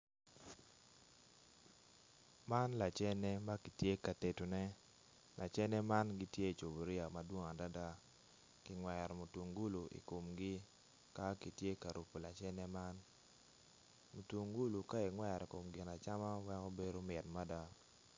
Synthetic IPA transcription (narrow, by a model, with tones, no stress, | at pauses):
ma˦nla˨t͡ʃɛ˦nɛ˦ma˦ki˨tje˦ka˨te˨to˨nɛ˦ | lʔa˨t͡ʃɛ˦nɛ˦ma˦nɡi˦tje˦˨t͡ʃo˨bo˨ɾɪ˦a˨ma˨dwo˦ŋa˨da˦da˦ | kɪ˨ŋwɛ˨ɾmu˨tu˨ŋɡu˦lu˨ḭ˨ko˨mɡɪ˦ | ka˦ki˨tje˦ka˨ɾu˨po˨la˨t͡ʃɛ˦nɛ˦ma˦n | mu˨twu˨ŋɡu˦lu˨ka˦i˨ŋwɛ˦˨ɾi˨ko˨mɡɪ˨na˨t͡ʃa˦ma˦wɛ˦ŋo˦be˦do˦mɛ˨tma˦da˦